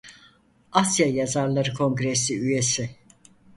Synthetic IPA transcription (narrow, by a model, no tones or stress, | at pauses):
asjajazaɾlˠaɾɯkʰo̞ŋɡɾesiyje̞sɪ